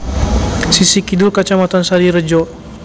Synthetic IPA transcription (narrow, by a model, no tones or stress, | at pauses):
sisikidulkat͡ʃamat̪ansaɾiɾəd͡ʒɔʔ